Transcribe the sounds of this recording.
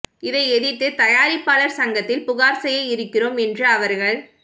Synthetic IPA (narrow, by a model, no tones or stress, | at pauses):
ɪðɐɪɛðɪt̪ːɯt̪ɐjaːɾɪpːaːlɐɾsɐŋɡɐt̪ːɪlpʊɣaːɾsɛjɐɪɾɯkːɪroːmɛndrɯɐʋɐɾɣɐɭ